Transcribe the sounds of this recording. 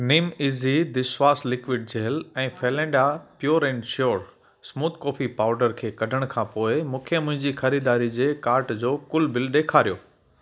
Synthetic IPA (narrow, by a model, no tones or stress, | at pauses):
niːmiːzid̪ɪswaːslɪkʋɪɖ̚d͡ʑeːlɛ̃ːfeːlɛ̃ːɳɖapjoːɾẽːɳɖʃoːɾ | smuːt̪koːfʰipaːʊɖəɾkʰeːkɐɖʱəɽ̃kʰãːpoːɪmʊ̃kʰjəmʊ̃ɦɪ̃ɲd͡ʑixɐɾiːd̪aːɾid͡ʑeːkaːɾʈd͡ʑoːkʊlbɪlɗeːkʰaːɾijoː